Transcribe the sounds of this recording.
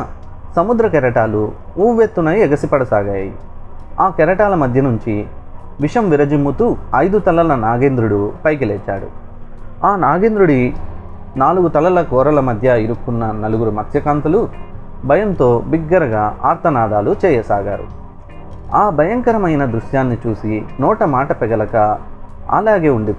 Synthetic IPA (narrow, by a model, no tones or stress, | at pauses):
sɐmud̪ɾɐk̬ɛɾɐʈaːluuːʋeːt̪ːunɐjɛɡɐsipɐɽɐsaːɡaːjɐjḭ | aːkɛɾɐʈaːlɐmɐd̪ʱjɐnuɲt͡ʃi | ʋiʂɐmʋiɾɐd͡ʒimːut̪uɐjd̪ut̪ɐlːɐlɐnaːɡeːnd̪ɾuɽupɐjk̬ilɛːt͡ʃːa̰ːɽṵ | aːnaːɡeːnd̪ɾuɽi | naːluɡut̪ɐlːɐlɐkɔːɾɐlɐmɐd̪ʱjɐiɾukːunːɐnɐluɡuɾumɐt̪ʰjɐkaːnt̪ulu | bʱɐjɐnt̪o̞ːbiɡːɐɾɐɡaːʔa̰ːɾt̪ɐnaːd̪aːlut͡ʃɛːjɐsaːɡaːɾṵ | aːbʱɐjɐŋkɐɾɐmɐjnɐd̪ɾuʂjaːnːit͡ʃuːsinɔːʈɐmaːʈɐpɛɡɐlɐkɐɐ̰laːɡe̞ːuɳɖi